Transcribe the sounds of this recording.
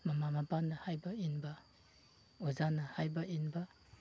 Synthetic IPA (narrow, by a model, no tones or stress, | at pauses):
mamamabanɐhajbɐinba | ozanɐhajbaʔinba